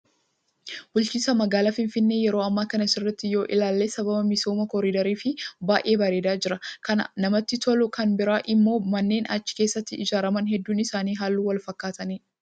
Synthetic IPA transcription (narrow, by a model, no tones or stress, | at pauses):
bʊlt͡ʃɪsɐmɐɡaːlaːfɪnfɪnːe̞jɛɾo̞ːɐmːaːkɐnɐsɪrːɛt̪ːɪjo̞ːʔɪlaːlːe̞ːsɐbɐbɐmɪso̞ːmɐkɔɾiːd̪ɐɾiːfɪbaːʔeːbɐɾe̞ːd̪aːd͡ʒɪɾɐkɐnɐ̰nɐmɐt̪ːɪt̪ʰɔlʊkɐnbɪɾaːʔɪmːo̞ːmɐnːe̞ːnɐt͡ʃːɪ̥ke̞ːsːɐt̪ːɪɪd͡ʒaːɾɐmɐnɦɛd̪ːuːnɪsaːniːɦaːlːuːwɐlfɐkːaːt̪ɐniː